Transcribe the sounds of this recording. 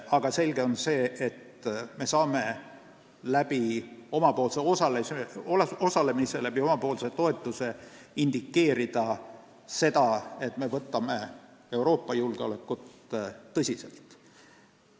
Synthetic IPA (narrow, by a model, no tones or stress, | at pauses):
ɑɡ̥ɑse̞lɡe̞o̞nse̞ːet̪me̞sɑːme̞ | læb̥io̞mɑpo̞ːlseo̞sɑleseolo̞sɑle̞miselæb̥io̞mɑpo̞ːlse̞t̪o̞e̞t̪ːˑuse̞ind̪̥ikːe̞ːɾid̪̥ɑ | se̞d̪̥ɑe̞t̪me̞vɤt̪ːˑɑme̞ | e̞uwɾo̞ːpːˑɑjulɡ̥eo̞̰lekːˑut̪ːɤsʲise̞̰lt̪ˑ